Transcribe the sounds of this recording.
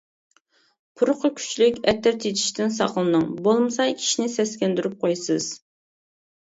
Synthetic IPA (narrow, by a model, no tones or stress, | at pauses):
pʰuɾqʰəkʲʰy̥t͡ʃlykʲɛt̪ʰːɛɾt̪ʰet̪ʰi̥ʃt̪ɪnsɑ̰qəlˠɨnɨŋbolˠmɨsɑjkʲʰi̥ʃinɪsɛskʲɛnd̪yɾyp̚qʰojsɨz̥